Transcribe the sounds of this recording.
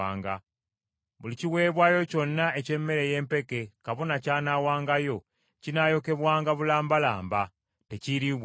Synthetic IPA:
aːŋɡa | βuliciwe̞ːβwajo̞co̞nːae̞ce̞mːe̞ɾe̞je̞ːmpe̞ke̞kaβo̞nacaːnaːwaːŋɡajo̞ | cinajo̞ke̞βwaːŋɡaβulaːmbalaːmba | teciɾiβ

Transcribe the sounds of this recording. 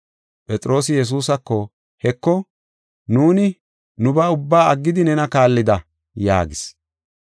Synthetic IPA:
pʼɛt͡sʼɾo̞ːsɪjɛs̬uːsɐkːɔ | hɛkːɔ | nuːnɪ | nʊbaːʊbːaːɐɡːɪd̪ɪnɛnɐkaːlːɪd̪ɐ | ja̰ːɡɪs

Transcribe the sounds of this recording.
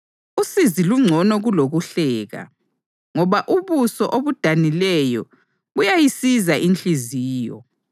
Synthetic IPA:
usiziluŋ͡ǀʱɔnɔɣuloɣuɬɛːɣa̰ | ŋɔβaʔuβusɔʔoβud̥ʱanilɛjɔ̰ | ɣujajisizaʔint͡ɬiziːjɔ̰

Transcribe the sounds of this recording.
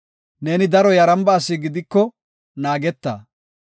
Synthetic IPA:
neːnɪd̪ɐɾɔjɐɾɐmbaːsːɪɡɪd̪ɪkːɔ | naːɡɛt̪ːa̰ː

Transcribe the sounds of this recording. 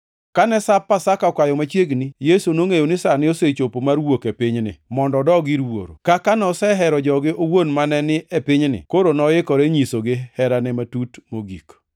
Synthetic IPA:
kanɛsapːasakakajɔmat͡ʃjeɡnijesunoŋejonɪsanɪoset͡ʃopomaɾwokepɪɲnɪ̰mɔndɔdɔɡiɾwo̰ɾo̰kakanɔsɛɦɛɾɔd͡ʒɔɡɪowonmanɛnɪʔepɪɲnɪ̰koɾonɔjɪkɔɾɛɲisoɡɪhɛɾanɛmatutmoɡḭk

